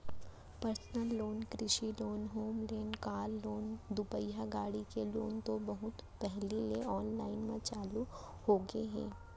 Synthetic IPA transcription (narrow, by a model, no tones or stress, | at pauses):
pəɾsnəlːoːnkɾɪʃiloːnɦoːmleːnkaːlːoːnd̪ʊpəjaɡaːɽikelo̰ːnt̪obɐɦʊt̪pɛɦleleɔːnlaːɪnmẽt͡ʃaːlu | hoːɡeɦɛ̰̃ː